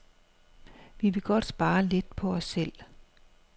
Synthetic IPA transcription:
ʋiʋe̝ɡ̥ɒ̽d̥sb̥ɑ̈ːle̝d̥̚pʰɒ̽ɒsːel̰

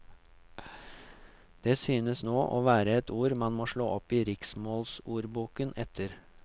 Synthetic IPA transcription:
d̪̥eːsyːnəsnoːʔoːʋæːɾəɛt̪uːɾmɑnmoːʂɭoːʔɔpiːɾɪksmoːlsuːɾbuːkənɛt̪ʰəɾ

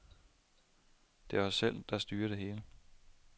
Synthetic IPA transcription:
d̥e̝ʋɑ̈sel̰d̥ɑ̈sd̥yːɐɾ̥e̝ɦe̝ːlə

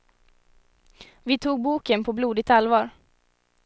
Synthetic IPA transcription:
vɪt̪ʰuːɡ̚buːkənpʰɔbluːd̪ɪt̪alvɑːɾ

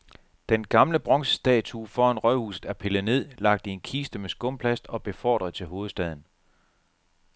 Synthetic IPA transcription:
d̥enɡ̥ɑ̈mləb̥ʁɒ̽ŋsə̥sd̥ɛ̰ːt͡sʰufɒːænʁœhṵːsð̩ˠæɐpʰe̝lˠne̝ð̞̰ˠlɑ̈ɡ̥̚d̥ienkʰiːsd̥əmesɡ̥ɔ̽mpʰlæsd̥ɒ̽b̥e̝fɒ̰ːd̥ʁɐðˠt͡sʰe̝lɦo̝ːð̞̩ˠsd̥ɛðˠn̩

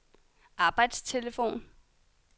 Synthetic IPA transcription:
ʔɑ̈ːb̥ɑ̈ɪd̥st͡sʰe̝ləfo̝̰ːn

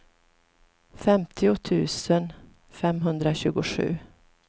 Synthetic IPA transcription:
fɛmt̪ʰɪʊt̪ʰʉ̟ːsən | fɛmɦɵnd̪ɾaɕʉ̟ːɡʊɧʉ̟̰ː

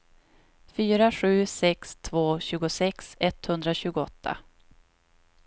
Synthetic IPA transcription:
fyːɾaɧʉ̟ːsɛkst̪ʰvoːɕʉ̟ːɡʊsɛksɛt̪hɵnd̪ɾaɕʉ̟ːɡʊɔt̪ːa̰

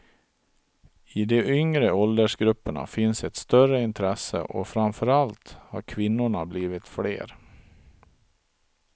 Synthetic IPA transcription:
ɪd̪ɛʔʏŋɾəɔld̪əʂɡɾɵpːəɳa̰fɪnsɛt̪st̪œrəɪnt̪ʰɾɛsə̰ʔɔfɾamfœɾalt̪ha̰ɾkʰvɪnːʊɳabliːvɪt̪fɽḛːɾ

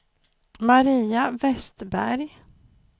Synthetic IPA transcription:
maɾiːavɛst̪bæ̰ɾj

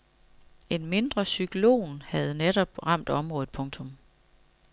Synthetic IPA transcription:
e̝nme̝nd̥ʁɐsyɡ̥ʰlo̝̰ːnhæð̞̩ˠneɾɒ̽b̥ʁɑ̈m̰d̥ɒ̽mʁɔ̽ːð̩ˠpʰɔ̽ŋt͡sʰɔ̽m

